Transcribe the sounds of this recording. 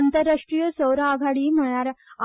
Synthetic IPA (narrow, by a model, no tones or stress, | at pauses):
nt̪əɾːaʂʈɾijəsəwɾaːɡʱaɽiːm̤əɭ̃aɾa